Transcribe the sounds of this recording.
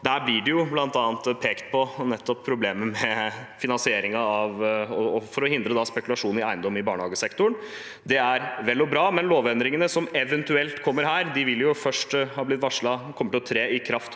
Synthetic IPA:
d̪æːɾblɪɖɛjʊblɑnt̪ɑːnt̪pʰeːkt̪̚pʰɔnɛt̪ːɔpʰːɾʊbleːməmɛfɪnɑnsɪeːɾɪŋɑɑʋɔɔfɔɾɔhɪnd̪ɾəd̪ɑspɛkʉlɑʂuːn̩ɪæɪnd̪ɔmːɪbɑːɳəhɑːɡəsɛkt̪ʊɳ | d̪ɛæɾʋɛlːɔbɾɑːmɛnloːʋœnd̪ɾɪŋənəsɔmɛʋɛnt̪ʉɛlt̪kʰɔmːəɾɦæːɾd̪ɪʋɪlːjʊfœʂʈhɑːblɪt̪ːʋɑʂɭɑkʰɔmːəʈɪlɔt̪ʰɾeːɪkʰɾɑft̪

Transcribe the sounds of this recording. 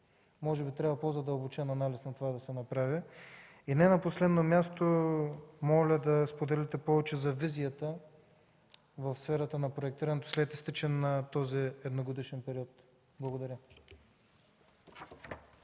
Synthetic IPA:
mɔʒɛbit̪ɾʲavɐpozɐd̪əlˠbot͡ʃɛnɐnalisnɐt̪ovad̪ɐsɛnɐpɾavʲi | inɛnɐposlɛd̪nomʲjast̪o | mɔlʲəd̪ɐspod̪ɛlɛt̪ɛpɔvɛt͡ʃɛzɐvizijət̪ə | vɐfsfɛɾɐt̪ənɐpɾoɛk̚t̪iɾɐnɛt̪o̥slɛt̪ist̪it͡ʃɛnɐt̪ɔziɛd̪noɡod̪iʃɛnpɛɾiɔt̪ | blˠɐɡod̪ɐɾʲə

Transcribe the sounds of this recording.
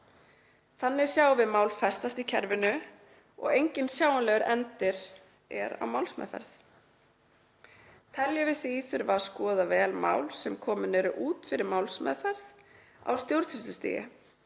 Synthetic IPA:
θanːɪ̥sjaːwvɪðmaːwlfɛst̪ast̪icʰɛɾvɪnʏ | ɔ̰ɣejɲcɪnsjaːwanlɛɣʏɾʔɛnt̪ɪɾ̥ | ɛ̰ɾa̰wmaːwlsmɛ̰ðfɛ̰ɾθ | t̪ʰɛljavɪðθiθʏɾvaskɔːðavɛːlma̰ːwlsɛmkʰɔːmʏnɛɾʏʔuːt̪fɪɾɪɾmawlsmɛ̰ːðfɛɾð | a̰wst̪jowɾ̥t̪ʰɪst̪ʏst̪ḭːjɪ̰

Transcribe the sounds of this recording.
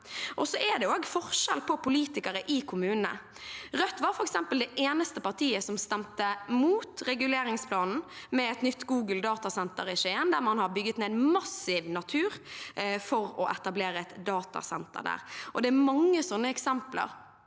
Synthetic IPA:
ʔɔsɔʔɛd̪ɛoːɡfɔʁʃɛ̰lpʰɔpʊliːt̪ɪkəɾəʔɪkʰʊmʉːnnə̰ | ʁœt̪ːʋɑːɾfɔɾɛksɛmpəld̪ɛʔeːnəst̪əpɑʁt̪ʰiːəsɔmst̪ɛmt̪əmuːt̪ɾɛɡʉleːɾɪŋspʰlɑːnn̩mɛɛt̪nʏt̪ːɡuːɡəld̪ɑːt̪ɑsɛnt̪əɾɪʃeːənd̪æɾmɑnhɑbʏɡːət̪neːmɑsɪʋnɑt̪ʰʉːɾfɔʁɔʔɛt̪ɑbleːɾəɛt̪d̪ɑːt̪ɑ̰sɛnt̪ə̰ɾd̪æ̰ːʁʔɔ̰d̪ɛæmɑŋːəsɔnːəɛksɛmplə̰ɾ

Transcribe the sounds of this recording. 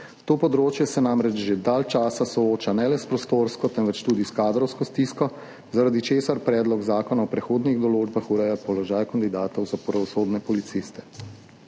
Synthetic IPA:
t̪oːpɔd̪ɾoːt͡ʃjɛsɛnaːmɾɛt͡ʃʒed̪alt͡ʃaːsasɔoːt͡ʃanɛlɛspɾɔst̪oːɾskɔt̪ɛnʋɛt͡ʃt̪uːd̪iskaːd̪ɾɔwskɔst̪iːskɔ | zaɾad̪it͡ʃeːsaɾpɾɛːd̪lɔɡzaːkɔnaɔpɾɛxoːd̪niɣd̪ɔloːd͡ʒbaxuɾɛjapɔlɔʒaːjkand̪id̪aːt̪ɔwzapɾaʋɔsoːd̪nɛpɔlit̪sist̪ɛ̥

